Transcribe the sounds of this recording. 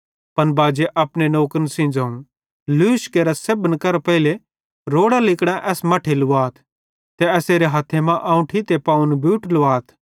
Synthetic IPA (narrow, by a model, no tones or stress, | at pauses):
pɐnbaːd͡ʒeʔɐpnenoːkənsɪ̃ːnd͡zaːũ | luɪʃkeːɾasebənkɐɾpɛɪle | ɾoːɽalɪkɽ̃ãʔɛːsmɐʈʰelʊaːt̪ʰ | t̪eɛːseːɾeɦaːt̪ʰemãʔaːũʈʰit̪epaːũnbʱjuːʈlʊaːt̪ʰ